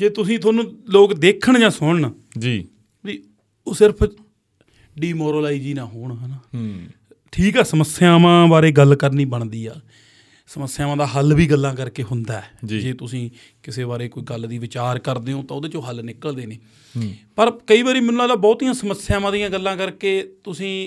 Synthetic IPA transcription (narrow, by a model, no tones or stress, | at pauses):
d͡ʒeːt̪ʊsĩːt̪ʰoːnũːloːkd̪eːkʰəɳd͡ʒãːsʊɳɳ | d͡ʒi | ʋiː | oːsɪɾpʰ | ɖiːmɔːɾoːlaːid͡ʒiːnãːɦoːɳɦəna | ʈʰiːkɛːsəməsjaːmãːbaːɾeːɡəlkəɾniːbəɳ̃d̪iːaː | səməsːjaːmãːd̪aːɦəlbiːɡəlːãːkəɾkeːɦʊnd̪aːɛd͡ʒd͡ʒeːt̪ʊsĩː | kɪseːbaːɾeːkoːiːɡəld̪iːʋɪt͡ʃaːɾkəɾd̪eːõːt̪ãːʊd̪eːt͡ʃõːɦəlnɪkəld̪eːneː | pəɾkəiːbaːɾiːmɛ̃ːnũːaːlaːbɔːt̪ijãːsəməsjaːmãːd̪ijãːɡəlːãːkəɾkeːt̪ʊsĩː